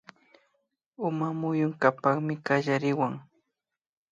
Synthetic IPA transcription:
ʊmamʊjʊŋkapaχmɪkaʒaɾɪwaŋ

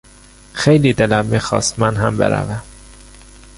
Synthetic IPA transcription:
xejliːd̪elæmːiːxɒ̰ːst̪mænɦæmbḛɾæ̰væm

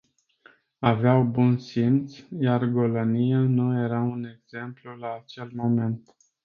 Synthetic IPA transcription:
aveawbunsint̪sjarɡo̞lonijanuje̞ɾaune̞ɡz̥e̞mplulaːt͡ʃe̞lmo̞me̞nt̪

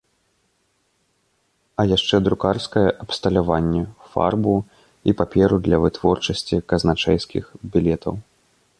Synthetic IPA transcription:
ɐjaʂt͡ʂɛd̪ɾukarskɐjɛʔɐpst̪ɐlʲavanʲːɛfa̰rbu | ipapʲɛɾud̪lʲɐvɨt̪vɔrt͡ʂɐsʲt͡sʲikɐznat͡ʂɛjskʲixbʲilʲɛt̪ʰɐ̰w

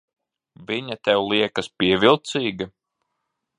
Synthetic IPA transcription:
viɲat̪ɛwlˠiɛkɐspiɛvilˠt̪siːɡɐ

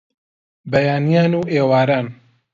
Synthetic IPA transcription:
bɐjaːnijaːnuːʔeːwaːɾaːn

